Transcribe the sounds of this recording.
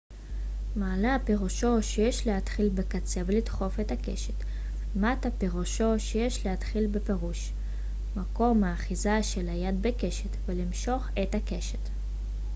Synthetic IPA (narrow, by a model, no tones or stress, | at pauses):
maːleapeʁuʃo̞ʃejeʃlehat̪χilbekat͡se̞velid̪χo̞fetake̞̰ʃe̥t | matapeʁuʃo̞ʃejeʃlehat̪χilbepe̞ʁuʃ | mako̞maːχizaʃelajad̪̚beke̞ʃet̪velimʃo̞χetake̞ʃet̪